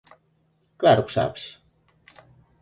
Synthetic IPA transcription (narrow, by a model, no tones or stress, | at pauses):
klaɾuksa̰ps